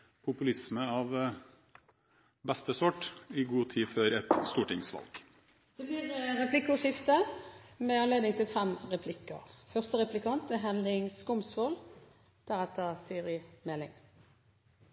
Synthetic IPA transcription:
pʰʊpʉlɪsməɑʋ | bɛst̪əsɔʈːɪɡuːt̪ʰiːfœɾɛt̪st̪uːʈɪŋsʋɑ̰lɡ̥ | d̪̥ɛblɪːʁʁɛpʰlɪkːʊʂɪft̪əmɛɑnleːd̪nɪŋt̪ʰɪlfɛmʁɛpʰlɪkːə̰ʁfœʁst̪əʁɛplɪkʰɑnt̪ɛɦɛnlɪŋskʊmsfol | d̪̥æʁɛt̪əsiːʁɪmɛlːɪ̰ŋ

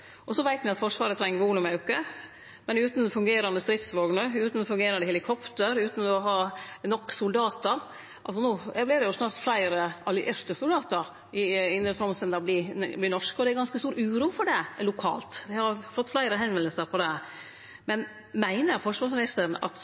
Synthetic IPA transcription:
ʔɔsɔʋæɪt̪nɪɑt̪fɔʂʋɑːɾət̪ʰɾɛŋːəʋoːlʉmɑʉkːə | mɛnʉːt̪n̩fʉŋɡeːɾɑnd̪əst̪ɾɪt̪sʋoːɡnəʉːt̪n̩ɔfʉŋɡeːɾɑnd̪ɛhɛlɪkʰɔpt̪əɾʉːt̪n̩ɔɦɑːnɔkːsʊld̪ɑːt̪əɾ | ʔɑ̰lsɔnuːɛblɪɾɖɛjʊsnɑːɾt̪flæɪɾəʔɑlɪʔɪɾt̪əsʊld̪ɑːt̪əɾ | ɪɪnɾət̪ʰɾɔmsənd̪ɑblɪblɪnɔʂkɔd̪ɛæɾɡɑnskəst̪uːɾʉːɾuːfɔɖɛlʊkʰɑ̰ːlt̪d̪ɛhɑɾfɔt̪ːflæɪɾəɦɛnʋɛnəlsəɾpʰɔd̪ɛ | mɛn | mæɪnəɾfɔʂʋɑːʂmɪnɪst̪əɾnɑ̰t̪

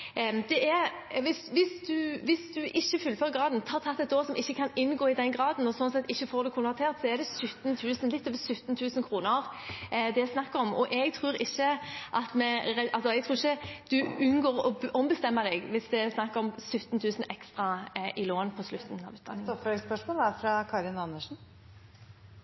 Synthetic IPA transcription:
d̪ɛʔæɾ | ʋɪsʋɪsd̪ʉʋɪsd̪ʉʔɪçːəfʉlføːɾəɡɾɑːd̪nt̪ʰɑːʁt̪ʰɑt̪ːɛt̪oːsɔmɪçːəkʰɑnɪnːɡoːɪd̪ɛnɡɾɑːd̪n̩ɔsɔnsɛt̪ːɪçːəfoːɾd̪ɛkʰʊnʋɛʁt̪ʰeːʁt̪sɔɛd̪ɛsʉt̪ːnt̪ʰʉːsənlɪt̪ːɔːʋəsʉt̪ːnt̪ʰʉːsən̩kʰɾuːnəɾd̪ɛsnɑkːəɾɔmɔʔɛɡt̪ʰʁɾuːɾɪçːəʔɑt̪mɛɾɛʔɑlsɔɛɡ̚t̪ʰɾuːɪçəd̪̥ʉʉnɡoːɾɔ̰ɔmbəst̪ɛmːəd̪ɛɡʋɪsd̪ɛsnɑkːəɾɔmsʉt̪ːnt̪ʰʉːsən̩ɛkst̪ɾɑʔɪloːnpʰɔslʉt̪ːn̩ɑ̰ʋʉ̥ːɑ̰ɪŋɔfspœʂmoːləæɾfɾɑkʰɑɾɪnɑnːəʂn̩

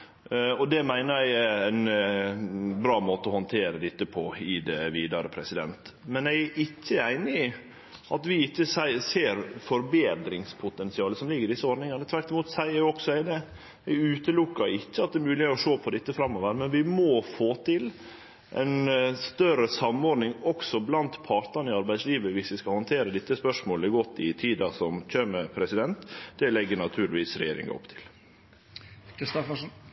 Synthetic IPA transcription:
ɔd̪ɛmæɪnəɾæɪæɪn | bɾɑːmoːt̪əɔhɔnt̪ʰeːɾəd̪ɪt̪ːəpʰɔɪd̪ɛʋiːd̪ɑɾəpʰɾɛsɪd̪ɛ̰nt̪mɛnæɪʔɪçːəæɪnɪɪ | ʔɑt̪ʋɪɪçːəsæseːɾfɔɾbeːd̪ɾɪŋspʰʊt̪ɛnsɪɑːləsɔmlɪɡːɾɪd̪ɪsːəɔɾnɪŋɑnət̪ʰʋæɾʈ̪ɪmuːt̪sæɪəɾjʊɔksɔæɪd̪ɛ | æɪʉːt̪əlʊkːɑɾɪtːəɑt̪̚d̪ɛmʉːlɪheɾɔʂoːpʰɔd̪ɪt̪ːəfɾɑmːɔʋəɾmɛnʋɪmɔfoːt̪ʰɪl | ʔɛ̰ɪnst̪œɾəsɑmːɔːɖnɪŋɔksɔblɑnt̪pʰɑɾt̪ɑnəɪɑɾbæɪd̪sliːʋəʋɪsʋɪskɑhɑnt̪ʰeːɾəd̪ɪt̪ːəspœʂmoːləɡɔt̪ːɪt̪ʰiːd̪ɑsɔmçømːəpʰɾɛsɪd̪ɛnt̪d̪̥ɛlɛɡːəɳɑt̪ʰʉːɾlɪʋiːsɾɛ̰jeːɾɪ̰ŋɑ̰ɔ̰pːt̪ʰɪ̥l | kʰɾɪst̪ɔfəʂ

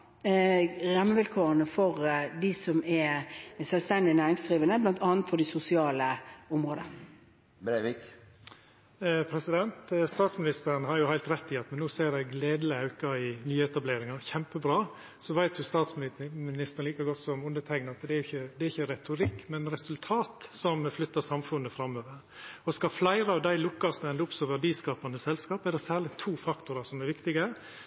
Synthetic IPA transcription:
ʁɑmːəʋɪlkʰoːɾənəfɔʁd̪ɪsɔmɛsœlst̪ɛnd̪ɪnæːɾɪŋsd̪ʁiːʋənəblɑnt̪ɑːnt̪̚pʰɔd̪ɪsʊsɪɑːləʊmʁoːd̪ə̰ | pʰɾɛsɪd̪ɛnt̪st̪ɑːt̪smɪnɪst̪əɾənəhɑɾjʊhæɪlt̪ɾɛt̪ːɪɑt̪mɛnːoːseːɾɛɡleːd̪ləɑʉkɑɪnyːəɛt̪ɑbleːɾɪŋɑɾçɛmpəbɾɑː | sɔʋæɪt̪ʰjʊst̪ɑːt̪smmɪnɪst̪əɾn̩liːkɑɡɔt̪sɔmʉnd̪ət̪ʰæɪɡnɑt̪d̪ɛæɾjʊɪçəd̪ɛɾɪçːəɾɛt̪ʊɾɪkːmɛnɾɛsʉlt̪ʰɑːt̪sɔmflʏt̪ːəsɑmfʉnːəfɾɑmːøːʋəɾ | ɔskɑflæɪɾəɑʋd̪æɪlʊkːɑsd̪ʊɛnd̪əʊpsœɾʋəd̪iːskɑːpɑnəsɛlskɑːpɛd̪ɛsæːlɪt̪ʰuːfɑkt̪ʊɾɑsɔmɛɾʋɪkt̪ɪɡə

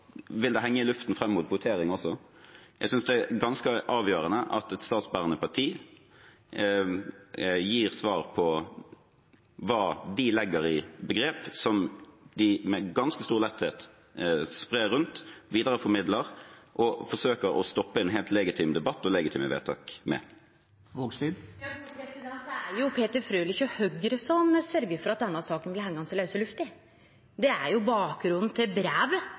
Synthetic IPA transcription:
ʋɪld̪ɛɦɛŋːəɪlʉft̪n̩fɾɛmːuːt̪̚bʊt̪ʰeːɾɪŋɔsːɔjæɡsʏnsd̪ɛæɡɑnskəʔɑːʋjøːɾənəʔɑ̰t̪ɛt̪st̪ɑːt̪sbæːʁənəpɑʈʰiː | jiːɾsʋɑːʁpʰɔ | ʋɑːd̪ɪlɛɡːəɾɪbəɡɾeːpsɔmd̪ɪmɛɡɑnskəst̪uːʁlɛt̪ːheːt̪ | spʁeːɾʉnt̪ʋiːd̪əʁəfɔɾmɪd̪ləʁʔɔfɔʂøːkəɾɔ̰st̪ɔpːəɛnɦɛːlt̪lɛɡɪt̪ʰiːmd̪ɛbɑt̪ːɔlɛɡɪt̪ʰḭːməʋḛːt̪ʰɑ̰ːkmɛ̰ | ʋoːɡsiɛsd̪ɛt̪æɾjʊpʰeːt̪əɾfɾøːlɪçəhœɡɾəsɔmsœɾɡəɾfɔɾɑt̪̚d̪ɛnːɑsɑːkənblɪhɛŋɡɑŋsɪlɑʉsəlʉft̪ɪ | d̪ɛæɾjʊbɑːk̚ɡɾʉnd̪n̩t̪ʰɪlbɾæːʋ

